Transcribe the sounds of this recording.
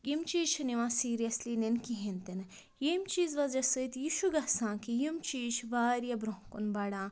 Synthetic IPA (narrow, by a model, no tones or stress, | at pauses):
jimt͡ʃiːʃʰniʋãːsiːɾijɐslinenkiɦent̪in | jemt͡ʃiːzʋɐzɐsɨt̪jiːʃuɡɐsãːkijimt͡ʃiːʃʰʋaːɾijɐbɾoɦkunbɐɽãː